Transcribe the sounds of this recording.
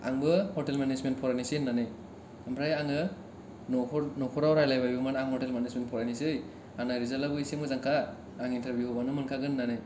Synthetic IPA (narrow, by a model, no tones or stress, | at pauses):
a̰ŋbɯhɔtelmenezment̚pʰɔɾajnisinːanɯj | ampʰɾajaŋɯ | nʰɾnɔkʰɔɾawɾajlajbajbumanaŋhɔtelmenezment̚pʰɔɾajnisɯj | anɯɾizalabɯisimɯzaŋkʰaː | ŋintaɾbjuhɔbanɯmɯnkʰaɡɯnːanɯj